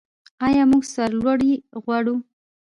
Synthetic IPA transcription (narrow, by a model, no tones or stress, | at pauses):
ɑjɑmuɡsaɾlwaɽiɣwaɽu